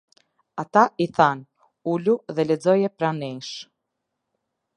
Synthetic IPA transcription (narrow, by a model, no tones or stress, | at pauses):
at̪aiθan | uluðɛlɛd͡zɔjɛpɾaniŋʃ